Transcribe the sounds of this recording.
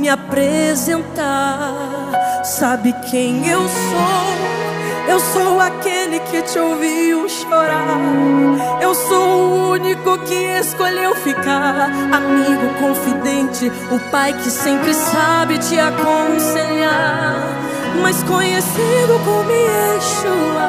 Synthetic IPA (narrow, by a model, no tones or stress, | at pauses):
mɪapɾezẽnt̪a | sabɪkʰẽj̃ewso | ewsowakelɪkʰɪt͡ʃɪowviwʃoɾa | ewsowʊunikʊkɪeskoʎewfikaamiɡʊkõfid̪ẽt͡ʃɪ | ʊpajkɪsẽmpɾɪsabɪt͡ʃɪakõseʎaɾ | majskõɲesid̪ʊkõmieʃʊa